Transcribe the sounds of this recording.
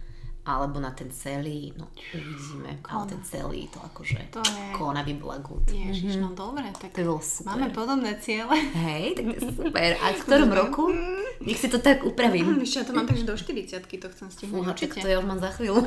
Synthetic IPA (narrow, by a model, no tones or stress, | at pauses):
ʔalɛbɔnat̪ɛnt͡sɛliːnɔ̰ | ɛʋiɟiːmɛ̰alɛt̪ɛnt͡sɛ̰lḭːt̪ɔakɔʒɛ̰kʰɔnaʋibla̰ɡṵt̪ɛɦ̪d̪ɔbɾɛt̪at̪ɔjɛbɔlɔsu̥maːɛmɛpɔd̪ɔbnɛt͡sɪɛlɛɦɛjt̪aɡmɛsupɛɾʔa̰fkt̪ɔɾɔmɾɔkuɲɛxsit̪ɔt̪aɡupɾaʋimɛscɛjat̪ɔmaːmt̪aɡʒɛd̪ɔʃt̪iɾit͡sɪat̪kit̪ɔxt͡sɛmsciɦnunɔt͡ʃikt̪ɔjauʒmaːmzaxʋiːlu